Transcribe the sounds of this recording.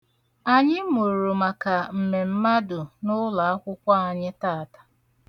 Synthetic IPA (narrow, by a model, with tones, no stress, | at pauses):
a˦ɲɪ˦mu˨ɾu˨ma˨ka˨m̩˨me˨m̩˦ma˦dʊ˨nʊ˦la˨a˦kʷʊ˦kʷa˦a˨ɲɪ˦taː˦˨tḁ˨